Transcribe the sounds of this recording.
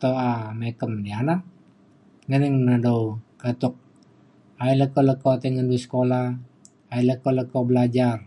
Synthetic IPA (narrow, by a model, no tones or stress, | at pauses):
t̪oamekəmdiana | ŋənɛŋnədoukət̪ʊk̚ | ailəkɔləkot̪əŋənduisə̥kola | ailəkoləkɔbəlad͡ʒar